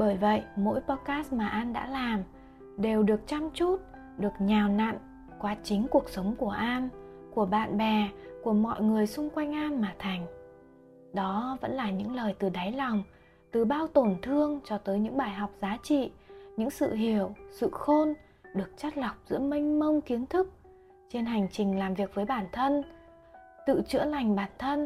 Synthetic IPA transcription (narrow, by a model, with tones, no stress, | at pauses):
ɓəː˧˩jvə̰˧˨jmo̰˧˥jpɔ˧t̚kaː˦˥st̚maː˨˩ʔaː˧nɗa̰ː˧˥laː˨˩m | ɗe˨˩wɗɨ˨˩ək̚t͡ɕa˧mt͡ɕu˦˥t̚ | ɗɨ˨˩ək̚ɲaː˨˩wna̰˧˨n | kwaː˨˦t͡ɕï˨˦ŋ̟ku˨˩ək̚sə˨˦wŋ͡mku˧˩əʔaː˧mku˧˩əɓa̰ː˧˨nɓɛ˨˩ku˧˩əmɔ̰˧˨jŋɨ˨˩əjsʊ˧ŋ͡mkwa˧jŋ̟ʔaː˧mːaː˨˩t̪ʰa˨˩jŋ̟ | ɗɔ˨˦və̰˧˥nlaː˨˩ɲɨ̰˧˥ŋləː˨˩jt̪ɨ˨˩ɗa˨˦jlɔ˨˩wŋ͡m | t̪ɨ˨˩ɓaː˧wt̪o˨˩nt̪ʰɨ˧əŋt͡ɕɔ˧t̪əː˨˦jɲɨ̰˧˥ŋɓaː˧˩jɦa˨˩wk͡p̚zaː˨˦t͡ɕḭ˧˨ɲɨ̰˧˥ŋsɨ̰˧˨ɦi˧˩əwsɨ̰˧˨xo˧n | ɗɨ˨˩ək̚t͡ɕa˦˥t̚la˨˩wk͡p̚zɨ̰˧˥əmï˧ŋ̟mə˧wŋ͡mki˨˦ənt̪ʰɨ˦˥k̚ | t͡ɕe˧nɦa˨˩jŋ̟t͡ɕï˨˩ŋ̟laː˨˩mvi˨˩ək̚vəː˨˦jɓaː˧˩nt̪ʰə˧n | t̪ɨ̰˧˨t͡ɕɨ̰˧˥əla˨˩jŋ̟ɓaː˧˩nt̪ʰə˧n